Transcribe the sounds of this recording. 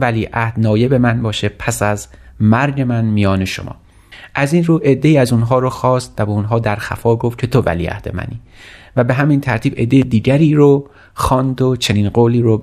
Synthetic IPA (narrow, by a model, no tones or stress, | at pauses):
æliːʔæhd̪nɒːje̞be̞mænbɒːʃepʰæsæzmæɾɟe̞mænmijɒːne̞ʃo̰mʔɒ̰ː | ʔæziːnruːʔe̞d̪ːe̞iːæzunɦɒːɾoxɒːst̪væbeunɦɒːd̪æɾxæ̰fɒːɡofcʰe̞t̪ʰo̞væ̰lḭːæ̰hd̪e̞̰mæ̰niː | væbe̞ɦæmint̪ʰæɾt̪ʰiːbe̞̰d̪ːejed̪iːɟæɾiːɾo | xɒːnd̪ot͡ʃʰe̞niːnɢoːliːɾo